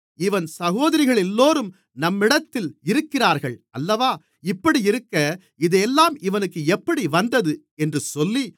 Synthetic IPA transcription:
ɪʋɐnsɐɣoːðɐɾɪɣɐɭɛlːoːɾɯm | nɐmːɪɽɐt̪ːɪlɪɾɯkːɪraːɾɣɐɭɐlːɐʋaː | ɪpːɐɽiɪɾɯkːɐ | ɪðeːlːaːmɪʋɐnɯkːɯɛpːɐɽiʋɐnd̪ɐðɯ | ɛndrɯsɔlːi

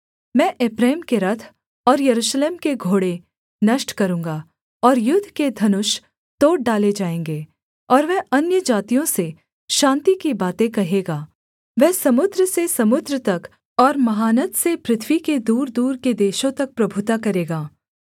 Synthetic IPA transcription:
mɛ̃ːʔeːpɾeːmkeɾɐt̪ʰ | ɔːɾjɐɾuːʃleːmkeɡʱoːɽe | nɐʃʈkɐɾũːŋɡaː | ɔːɾjʊd̪ʱːked̪ʱɐnʊʃ | t̪oːʈ̚ɖaːled͡ʒaːẽːŋɡeː | ɔːɾʋɛɦɐnjəd͡ʒaːt̪ijõse | ʃãːnt̪ikibaːt̪ẽkɐɦeːɡaː | ʋɛːsɐmʊd̪ɾəsesɐmʊd̪ɾət̪ɐk | ɔːɾmɐɦaːnət̪sepɾɪt̪ʰʋiked̪uːɾd̪uːɾked̪eːʃõt̪ɐk̚pɾɐbʱʊt̪akɐɾeːɡaː

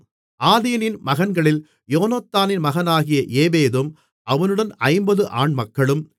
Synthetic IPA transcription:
ʔaːðiːɐnɪnmɐɣɐnɡɐɭɪl | joːnɐt̪ːaːnɪnmɐɣɐnaːɣɪjɐʔeːʋeːðɯm | ɐʋɐnɯɽɐnɐɪmbɐðɯʔaːɳmɐkːɐɭɯm

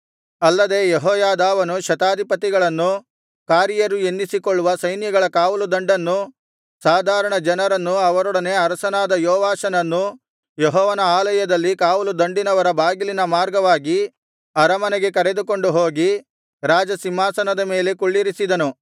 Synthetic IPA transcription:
ɐlːɐd̪e̞ːjeɦɔːjaːd̪aːʋɐnuʃɐt̪aːd̪ʱipɐt̪iɡɐɭɐnːu | kaːɾjɐɾue̞nːisikoɭːuʋɐsɐjnjɐɡɐɭɐkaːʋulud̪ɐɳɖɐnːu | saːd̪ʱaːɾɐɳɐd͡ʒɐnɐɾɐnːuɐʋɐɾɔɽɐne̞ːɐɾɐsɐnaːd̪ɐjɔːʋaːʃɐnɐnːu | jeɦɔːʋɐnɐaːlɐjɐd̪ɐlːikaːʋulud̪ɐɳɖinɐʋɐɾɐbʱaːɡilinɐmaːɾɡɐʋaːɡi | ɐɾɐmɐnɛɡe̞kɐɾe̞d̪uko̞ɳɖuɦo̞ːɡi | ɾaːd͡ʒɐsimːaːsɐnɐd̪ɐme̞ːle̞kuɭːiɾisid̪ɐnu

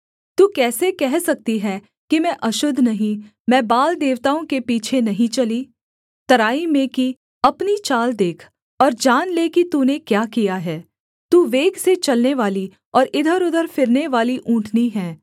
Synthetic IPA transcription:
t̪uːkɛːsekɛɦsɐk̚t̪iɦɛː | kimɛ̃ʔɐʃʊd̪ʱːnɐɦĩ | mɛ̃ːbaːld̪eːʋt̪aːõkepiːt͡ʃʰenɐɦĩt͡ʃɐliː | t̪ɐɾaːimẽki | ɐpnit͡ʃaːld̪eːkʰ | ɔːɾd͡ʒaːnlekit̪uːnekjaːkijaɦɛː | t̪uːʋeːɡset͡ʃɐlneʋaːli | ɔːɾɪd̪ʱəɾʊd̪ʱəɾfɪɾneʋaːliʔũːʈʰniɦɛː

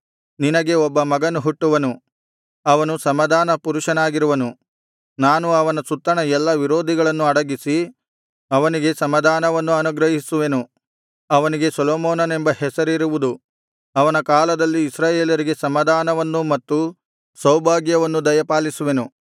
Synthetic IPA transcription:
ninɐɡe̞ɔbːɐmɐɡɐnuɦuʈːuʋɐnu | ɐʋɐnusɐmɐd̪ʱaːnɐpuɾuʂɐnaːɡiɾuʋɐnu | naːnuɐʋɐnɐsut̪ːɐɳɐɛlːɐʋiɾoːd̪ʱiɡɐɭɐnːuɐɽɐɡisi | ɐʋɐniɡe̞sɐmɐd̪ʱaːnɐʋɐnːuɐnuɡɾɐɦisuʋe̞nu | ɐʋɐniɡe̞sɐloːmoːnɐne̞mbɐhɛsɐɾiɾuʋud̪u | ɐʋɐnɐkaːlɐd̪ɐlːiːsɾaːjeːljɐɾiɡe̞sɐmɐd̪ʱaːnɐʋɐnːumɐt̪ːu | sɐwbʱaːɡjɐʋɐnːud̪ɐjɐpaːlisuʋe̞nu

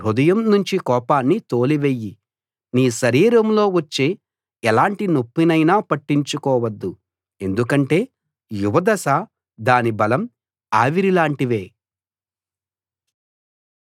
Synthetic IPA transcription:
ɾud̪ɐjɐmnuɲt͡ʃikɔːpaːnːit̪o̞ːliʋejːi | niːʃɐɾiːɾɐmlo̞ːʋɐt͡ʃːeː | ɛlaːɳʈinopːinɐjnaːpɐʈːiɲt͡ʃukɔːʋɐd̪ːu | e̞nd̪ukɐɳʈe̞ː | juʋɐd̪ɐsa | d̪aːnibɐlɐm | aːʋiɾilaːɳʈiʋeː

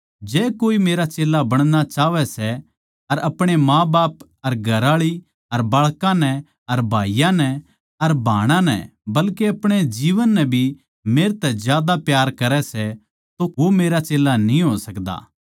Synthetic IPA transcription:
d͡ʒɛːkoːimeːɾat͡ʃeːlːabɐɽ̃nat͡ʃaːʋɛsɛ | ɐɾɐpɽ̃emãːbaːp | ɐɾɡʱɐɾaːɭi | ɐɾbaːɭkãnɛ | ɐɾbʱaːijãnɛ | ɐɾbʱaːɽ̃ãnɛ̰bɐlkeɐpɽ̃ed͡ʒiːʋənːɛbʱi | meːɾt̪ɛzjaːd̪apjaːɾkɐɾɛsɛ | t̪oʋomeːɾat͡ʃeːlːanĩɦoːsɐkd̪a̰ː

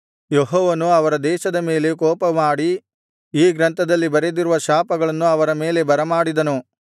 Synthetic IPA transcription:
jeɦɔːʋɐnuɐʋɐɾɐd̪ɛːʃɐd̪ɐme̞ːle̞kɔːpɐmaːɽi | iːɡɾɐnt̪ʰɐd̪ɐlːibɐɾed̪iɾuʋɐʃaːpɐɡɐɭɐnːuɐʋɐɾɐme̞ːle̞bɐɾɐmaːɽid̪ɐnu

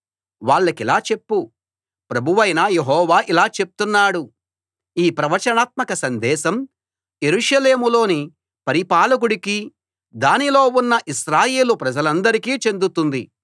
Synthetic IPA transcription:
ʋaːɭːɐkilaːt͡ʃe̞pːu | pɾɐbʱuʋɐjnaːjeɦɔːʋaːʔilaːt͡ʃe̞p̚t̪unːaːɽu | iːpɾɐʋɐɾt͡ʃɐnaːt̪̚mɐkɐsɐnd̪ɛːʃɐm | je̞ɾuːʂɐle̞ːmulo̞ːni | pɐɾipaːlɐk̬uɽiki | d̪aːnilo̞ːunːɐʔiʃɾaːje̞ːlupɾɐd͡ʒɐlɐnd̪ɐɾikiːt͡ʃe̞nd̪ut̪und̪i

